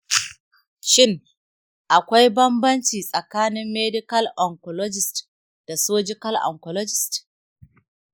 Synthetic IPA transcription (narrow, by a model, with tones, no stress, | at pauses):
ʃɪ˦ŋ | ʔa˨kʷa˦jbɐ˦mbɐ˦nt͡ʃiː˨sʼɐ˨kaː˦nɪ˦mːeː˦dɪ˦kɐ˦lʔɔ˨ŋkɔ˨lɔ˦d͡ʒɪ˨st | d̥a˨soː˦d͡ʒɪ˦kɐ˦lʔɔ̰˨ŋkɔ˨lɔ˦d͡ʒɪ˨st